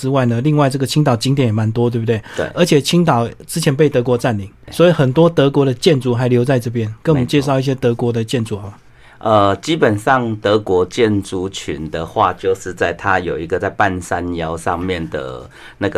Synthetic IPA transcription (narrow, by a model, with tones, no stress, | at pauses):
ɻ̩˦˥wa˥˩ɪnə˨li˥˧ŋwa˥˧ɪʈ͡ʂɤ˥˩ɡə˩t͡ɕʰi˧˥ŋt̪ɑ˨˩ʊt͡ɕi˧˥ŋt̪jɛ˨˥˦njɛ˨˩ma˧˦nt̪wɔ˥t̪we˥˩bu˨˩t̪e˥˩wḛ˥˩ʔə˞˧˥t͡ɕʰjɛ˨˩t͡ɕʰi˥ŋt̪̬ɑ˨˩ʊʈ͡ʂɻ̩˥t͡ɕʰjɛ˧˥npe˥˩ɪt̪ɤ˧˥kwɔ˧˥t͡sa˥˩ni˨˩˦ŋswɔ˧˥i˨˩xə˨˩nt̪wɔ˥t̪ɤ˧˥kwɔ˧˥ɾə˨t͡ɕjɛ˥˨nt͡su˧˥xa˧˥ɪljo˧˥ʊt͡sa˥˧ɪʈ͡ʂɤ˥˧˩p̬jɛ˦˥nkə˧˥nwmə˨˦t͡ɕjɛ˥˧ʂ̬ɑ˥˧ʊi˥˩ɕ̬jɛ˥t̪ɤ˧˥kwɔ˧˥d̪ə˨t͡ɕjɛ˥˧nt͡su˥˩ɔ˨˩ | ə˧t͡ɕi˦˥pə˨˩nʂɑ˥˨ŋt̪ɤ˧˦kwɔ˧˥t͡ɕjɛ˥˨nʈ͡ʂu˧˩t͡ɕʰy̰˧˦nd̪ə˨xwa̰˥˧t͡ɕjo˥˧ʊʂɻ̩˥˧t͡sa˥˧ɪt̪ʰa˦jo˨˩ʊi˧˦ɡə˨˧t͡sa˥˧ɪpa˥˧nsa˦njɑ˧˦ʊʂɑ̰˥˧ŋmjɛ˥˨nd̪ə̰˩ | na˥˩ɡə˨